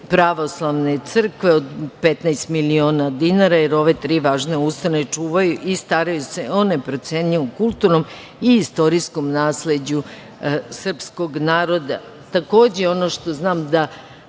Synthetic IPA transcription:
pɾaʋo̞slˠaʋne̞t̪sr̩kʋeod̪pet̪najst̪milio̞ːnad̪inaɾajeɾo̞ʋe̞t̪ɾiːʋaːʒneust̪ane̞t͡ʂuːʋajuʔist̪aɾajuse̞onepɾot̪seɲiomkulˠt̪uɾno̞m | iist̪o̞ɾisko̞mnaːsled͡ʑu | sr̩psko̞ɡnaːɾo̞d̪a | t̪ako̞ːd͡ʑeo̞no̞ʃt̪o̞znaːmd̪a

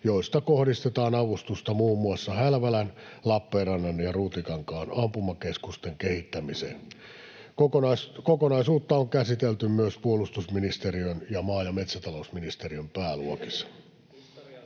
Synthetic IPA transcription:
joist̪ɑkohdist̪et̪ɑːnɑʋust̪ust̪ɑmuːmːuɑsːɑhælʋælænlɑpːeːrɑnːɑnjɑruːt̪ikɑŋkɑːnɑmpumːɑkeskust̪eŋkehit̪ːæmisḛːn | kokoskokonɑisuːt̪ːɑoŋkæsit̪elt̪ymmyøspuolust̪usminist̪eriønjɑmɑːjɑme̞t̪sæt̪ɑlousminist̪eriømpæːluokisːɑ̥

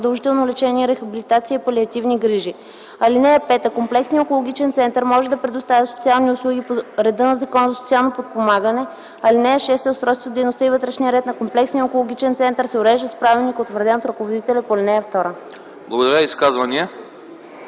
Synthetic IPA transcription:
d̪ɐlˠʒit̪ɛlˠnolɛt͡ʃɛnʲiɛɾɛxɐbilit̪at̪siəipɐliɐt̪ivniɡɾiʒi | ɐlinɛɛpɛt̪əkomplɛksniokolˠoɡ̟ʲit͡ʃɛnt̪sɛnt̪əɾmɔʒɛd̪ɐpɾɛd̪ʊst̪avʲəso̥t̪sialˠniʊslˠuɡʲipoɾɛd̪ɤnɐzɐkɔnzɐsot̪sialˠnopot̪̚pomaɡənɛ | ɐlinɛɛʃɛst̪ɛʊst̪ɾɔjst̪vod̪ɛjnost̪ɤivət̪ɾɛʃniəɾɛt̪nɐkomplɛksnijəokolˠoɡ̟ʲit͡ʃɛnt̪sɛnt̪əɾsɛʊɾɛʒd̪əspɾavilnikot̪vəɾd̪ɛnot̪ɾɐkovod̪it̪ɛlʲɛpolɛnɛɛft̪ɔɾə | blˠɐɡod̪ɐɾjəiskazvɐniə

